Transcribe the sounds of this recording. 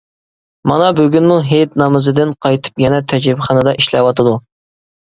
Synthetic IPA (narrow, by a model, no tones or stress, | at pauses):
mɑnɑbøɡʲynmuɦet̪nɑmɨzɨd̪ɪnqʰɑjt̪ʰɨ̥pjɛnɛt̪ʰɛd͡ʒɾɪbɪχɑnɨd̪ɑʔiʃlɛwɑt̪ʰɨd̪u